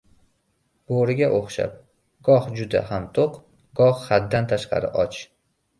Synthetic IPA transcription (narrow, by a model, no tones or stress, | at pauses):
b̥oɾɪɡʲaʔoχʃa̰p̚ | ɡ̥ɒhd͡ʒʊd̪a̰hamt̪ʰoq | ɡɒhχad̪dːant̪ʰaʃqɑ̰ɾɪ̰ʔɒt͡ʃ